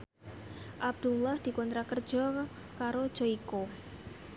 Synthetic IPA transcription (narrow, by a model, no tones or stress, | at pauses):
ʔab̚d̪̥ulahd̪̥i̤kɔnt̪ɾakərd̥ʒ̥ɔ | kaɾod̥ʒ̥oiko